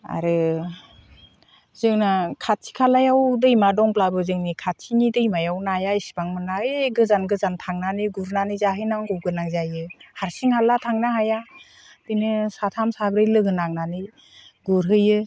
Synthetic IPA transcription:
a̰ɾɯ | zɯŋnakʰat̚sʰi̥kʰalajawdɯjmadɔŋblabɯzɯŋnikʰat̚sʰinidɯjmajawnajaisi̥baŋmɯnaeɡɯzanɡɯzantʰaŋnanɯɡuɾnanɯzaɦɯjnaŋɡɔwɡɯnaŋzajɯhaɾsiŋhalatʰaŋnaɦaja | d̥ɯnɯsatʰamsabɾɯjlɯɡɯnaŋnanɯ | ɡuɾɦɯjɯ

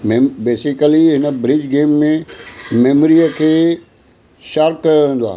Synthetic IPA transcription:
mebeːsɪkəliɦɪnəbɾɪd͡ʑɡeːmːẽmeːmɾiəkʰeː | ʃaɾp̚kɐoʋẽːn̆d̪oa̰ː

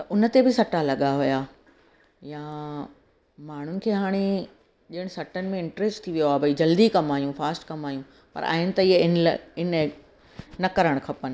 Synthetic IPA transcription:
ɐʊnə̆t̪ebɪsɐʈalɐɠaɦujaː | jãː | maːɳ̤ʊnɪ̆kʰeːɦaːɽ̃e | ʄɐɪɽ̃sɐʈənɪ̆mẽɪ̃ɳʈɾeːsʈt̪ʰiʋijoaːbɐid͡ʑɐld̪ikɐmaːjũfaːsʈkɐmaːjũ | pɐ̰ɾʔa̰ːɦɪnɪ̆t̪ɐiɦeɪnl̰ɪn | nɐkɐɾəɽ̃kʰɐpən̆

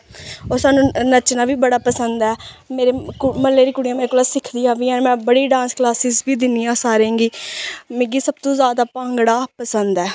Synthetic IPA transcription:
oːɾsaːnũːnət͡ʃnãːbiːbəɽaːpəsənd̪ɛːmeːɾeːkməlːeːɾiːkʊɽijãːmeːɾkolaːsɪkʰd̪iːãːʋiːãːnmɛ̃ːbəɽiːɖãːnsklaːsɪːzbiːd̪ɪnijãːsaːɾẽːŋɡiːmẽɡiːsəb̚t̪õːzaːd̪aːpãːŋɡɽaːpəsənd̪ɛː

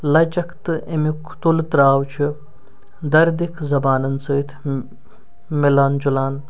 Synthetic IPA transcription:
lɐt͡ʃɐkʰt̪ɨʔemukʰt̪ult̪ɾaːwt͡ʃʰu | d̪ɐɾd̪ikʰzɐbaːnɐnsɨːt̪ʰ | melaːnd͡ʒulaːn

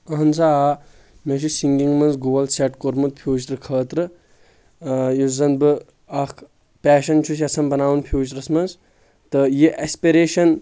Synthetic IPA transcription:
ɐɦɐnzaːa | met͡ʃʰisiŋɡiŋmɐnzɡoːɐlseʈkoɾmɨt̪̚pʰjoːt͡ʃt̪ɾɨkʰəːt̪ɾɨ | jizɐnbɨ | ɐkʰ | pʲɛːʃɐnt͡ʃʰus̬iɐsʰɐnbɐnaːwunpʰjoːt͡ʃt̪ɾɐsmɐnz | t̪ɨjiʔespiɾeːʃɐn

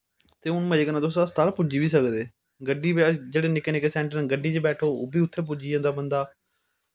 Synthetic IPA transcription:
t̪eːʊnməd͡ʒeːkənaːd̪osast̪aːɾpʊd͡ʒiːbiːsəkd̪eː | ɡəɖiːbed͡ʒeːɽeːnɪkeːnɪkeːsɛ̃ːɳʈənɡəɖiːt͡ʃebɛːʈʰoːo̰ːbiːʊt̪ʰːeːp̬ʊd͡ʒiːjãːnd̪aːbənd̪aː

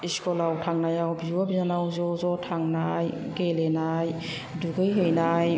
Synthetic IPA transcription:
iskɔlawtʰaŋnajawbiwabinanawzɔzɔtʰaŋnaj | ɡelenaj | duɡɯjɦejnaj

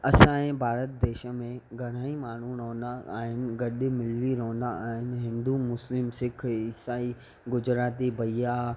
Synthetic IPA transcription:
ɐsãːẽbʱaːɾət̪̚d̪eːʃə̆mẽɡʱɐɽ̤̃aːimaːɳ̤uɾoːə̃nd̪aa̰ːɦɪnɪ̆ɡɐɗɪmɪlːiɾoːə̃nd̪aaːɦɪnɪ̆ɦɪ̃nd̪umʊslɪmsɪkʰɪsaːi | ɡʊd͡ʑɾaːt̪ibʱɐija

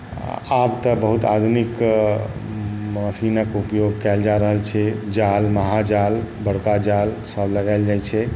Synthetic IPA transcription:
abt̪əbəɦut̪ad̪ʱunik | məsinəkupjoɡkɛld͡ʒaɾəɦəlt͡ʃʰɛd͡ʒalməɦad͡ʒalbəɽkad͡ʒalsəbləɡajld͡ʒajt͡ʃʰɛ

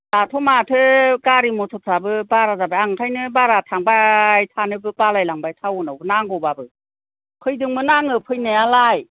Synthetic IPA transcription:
latʰɔmatʰɯkaɾimɔtʰɔpʰabɯbaɾazabajaŋkʰajnɯbaɾatʰaŋbajtʰanɯbɯpalajlaŋbajtʰawɯnawbɯnaŋɡɔbabɯ | kʰɯjdɯŋmɯnaŋɯpʰɯjnajalaj

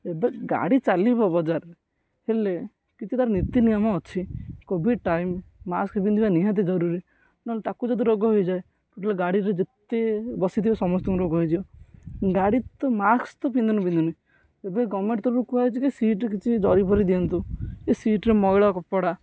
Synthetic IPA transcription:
ebeɡa̰ɽit͡ʃalibɔbɔd͡ʒaɾ | hele | kit͡ʃʰit̪aɾɔnit̪inijɔmɔːt͡ʃʰikobʱiɖ̚ʈajmːaskpind̪ʰibaniɦat̪̬ed͡ʒɔɾuɾi | naɦlet̪akud͡ʒɔd̪iɾɔɡɔɦojd͡ʒae | puʈʰaleɡaɽiɾed͡ʒet̪ebɔsit̪ʰibasɔmɔst̪ɔmɾɡɔɦid͡ʒ̪ibɔɡaɽit̪ɔmakst̪ɔpind̪unupĩnd̪unu | ebeɡɔmeɳʈt̪ɔɾɾukuɦat͡ʃʰikisiʈekit͡ʃʰid͡ʒɔɾipʰɔɾid̪iɔnt̪ukesiʈɾemɔɡɭɔkɔpɔɽa

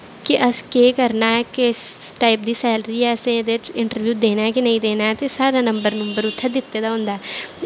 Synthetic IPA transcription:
keʔəskeːkəɾnaɦɛkesʈaːɪp̚d̪isɛːlɾiɛːsẽd̪eɪ̃ɳʈəɾʋjuːd̪eːnaɦɛkinɐɦĩd̪eːnaɦɛt̪esaːɾanə̃mbəɾnəmbəɾʊt̪ʰːəd̪ɪt̪ːed̪aɦõːnd̪aɛ

